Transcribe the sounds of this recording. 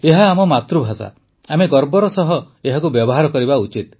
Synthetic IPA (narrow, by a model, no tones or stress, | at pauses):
eɦaːmɔmat̪ɾubʱasa̰ | ameɡɔɾbɔɾɔsɔɦɔ | eɦakubjɔbɔɦaɾɔkɔɾibaut͡ʃit̪